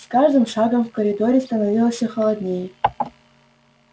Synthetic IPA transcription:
skaʐd̪ɨmʂɑɡəmfkəɾʲɪd̪oɾʲɪst̪ɐnɐvʲilˠəsʲəxəlˠɐd̪nʲejə

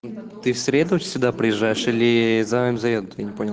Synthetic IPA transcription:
t̪ɨfsʲɾʲed̪ʊ̥sʲɪd̪apɾʲɪjɪʐːajɪʂilʲɪzɐamzɐvʲed̪ʊt̪ɨjanʲɪponʲɪlˠ

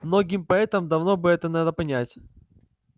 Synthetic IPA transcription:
mno̞ɡʲɪmpɐɛt̪əmd̪ɐvno̞bɨɛt̪ənad̪əpɐnʲætʲ

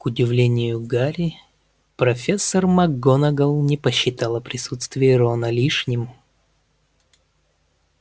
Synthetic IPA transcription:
kʊdʲɪvlʲenʲɪjʊɡaɾʲɪ | pɾɐfʲesːərmɐɡːonəɡəlˠnʲɪpəɕːɪt̪ɑlˠəpɾʲɪsut̪st̪vʲɪjəɾonəlʲiʂnʲɪm

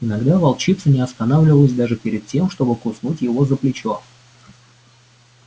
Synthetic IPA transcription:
ɪnɐɡd̪avɐlˠt͡ɕit̪sənʲɪɐst̪ɐnavlʲɪvəlˠəsʲd̪aʐɨpʲɪɾʲɪd̪̚tʲe̞mʂt̪o̞bɨkʊsnutʲjɪvo̞zəplʲɪt͡ɕo̞

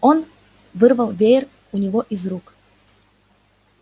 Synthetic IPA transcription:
on | vɨrvəlˠvʲejr | unʲɪvoʔizruk

